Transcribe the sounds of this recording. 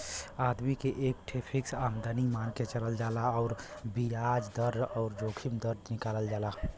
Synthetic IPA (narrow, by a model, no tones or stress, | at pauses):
aːd̪mikeʔeːk̚ʈʰepʰiksamd̪ənimaːnket͡ʃələld͡ʒaːlaɔʊɾbijad͡ʒd̪əɾɔːɾd͡ʒoːkʰimd̪əɾd̪nɪkaːləld͡ʒaːla